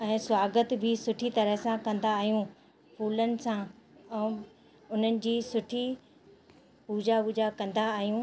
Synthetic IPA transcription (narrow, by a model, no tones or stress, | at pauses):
ɛ̃ːswaːɡət̪bʱɪsʊʈʰit̪ɐɾəɦsãkɐ̃nd̪aːɦijũ | fuːlənɪ̆sãɛ̃ː | ʊn̤ənɪ̆d͡ʑiːsʊʈʰi | puːd͡ʑapuːd͡ʑakɐ̃nd̪aːɦijũː